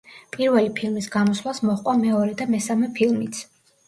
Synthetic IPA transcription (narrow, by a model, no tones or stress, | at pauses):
pʼiɾvɛlipʰilˠmisɡamɔslasmɔχqʼwamɛɔɾɛd̪amɛsamɛpʰilˠmit̪sʰ